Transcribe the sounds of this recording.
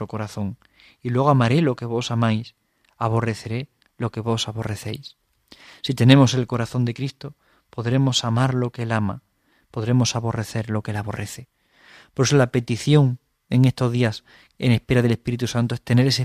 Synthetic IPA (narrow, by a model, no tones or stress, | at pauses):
ɾoko̞ɾaθõ̞ŋ | ilwe̞ɣamaɾe̞lo̞ke̞β̞o̞samajs | aβ̞o̞re̞θe̞ɾe̞ | lo̞ke̞βo̞saβo̞re̞θe̞js | sit̪e̞ne̞mo̞se̞lko̞ɾaθo̞nd̪e̞kɾist̪o̞ | po̞ðɾe̞mo̞samaɾlo̞keelama̰ | po̞ðɾe̞mo̞saβo̞re̞θe̞ɾlo̞ke̞laβ̞o̞re̞θe̞ | poɾesolape̞t̪iθjo̞ŋ | e̞ŋe̞st̪o̞zðias | e̞̰ne̞spe̞ɾað̞e̞le̞spiɾit̪usãnt̪oe̞st̪e̞ne̞ɾe̞se